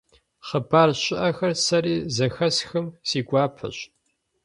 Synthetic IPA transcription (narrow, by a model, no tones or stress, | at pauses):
χəbaːrɕʼɪʔɐxɐrsɐɾiːzɐxɐsxɨmsiːɡʷɑːpʰɐ̰ɕ